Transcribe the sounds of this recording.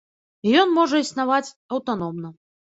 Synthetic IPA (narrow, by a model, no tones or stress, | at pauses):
jɔnmɔʐɐisn̪avat͡sʲ | ɐwt̪an̪ɔmnɐ